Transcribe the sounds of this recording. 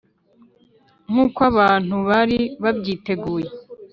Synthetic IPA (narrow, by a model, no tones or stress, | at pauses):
ŋ̥huːkwaβaːn̥huβaɾiβabɟiːte̞ɡuːje